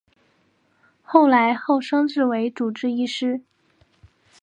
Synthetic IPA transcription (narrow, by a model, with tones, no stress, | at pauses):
xo˥˩ʊla˧˥ɪxo˥˩ʊʂɤ˥ŋʈ͡ʂɻ̩˥˩we˧˥ɪʈ͡ʂu˨˩ʈ͡ʂɻ̩˥˧i˥˧ʂɻ̩˥˩